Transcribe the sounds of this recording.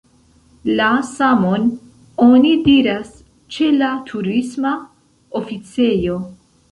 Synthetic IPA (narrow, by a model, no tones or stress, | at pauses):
lasamon | o̞nidiɾas | t͡ʃe̞latʰuɾisma | ofit͡se̞jo̞